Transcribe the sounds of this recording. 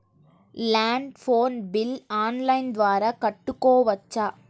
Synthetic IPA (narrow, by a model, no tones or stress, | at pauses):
laːɳɖfoːnbɪlaːnlɐɪnd̪ʋaːɾɐkɐʈːɯkːoːʋɐt͡ʃːaː